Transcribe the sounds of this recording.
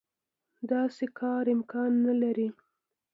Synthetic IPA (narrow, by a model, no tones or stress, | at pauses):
d̪ɑsekʰɑɾɪmkɑnːalaɾi